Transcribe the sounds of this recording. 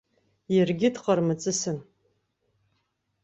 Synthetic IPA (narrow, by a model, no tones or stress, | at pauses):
jɪrɡʲɪdqʼarmɨt͡sʼɨsɨn